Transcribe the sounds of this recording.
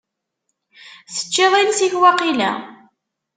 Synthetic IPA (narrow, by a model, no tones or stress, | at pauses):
θə̥t͡ʃːeðˤilsiçwæqilæ̰